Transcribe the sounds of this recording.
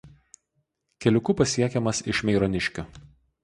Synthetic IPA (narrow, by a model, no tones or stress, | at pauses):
kʲɛlʲʊkʊpɐsʲiɛkʲɛmɐsɪʃmʲɛɪɾɔnʲɪʃʲkʲʊ